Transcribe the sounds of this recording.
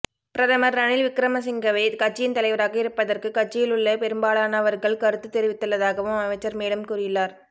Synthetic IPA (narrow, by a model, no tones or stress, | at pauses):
pɪɾɐðɐmɐɾɐɳɪlʋɪkɾɐmɐs̬ɪŋɡɐʋeːd̪kɐʈ̚t͡ʃːɪjɪnt̪ɐlɐɪʋɐɾaːɣɐɪɾɯpːɐðɐrkɯkɐʈ̚t͡ʃːɪjɪlɯɭːɐpɛɾɯmbaːɭaːnɐʋɐɾɣɐɭkɐɾɯt̪ːɯt̪ɛɾɪʋɪt̪ːɯɭːɐðaːɣɐʋɯmɐʋɐt͡ʃːɐɾmeːɽɯmkuːɾɪjɪlːaːɾ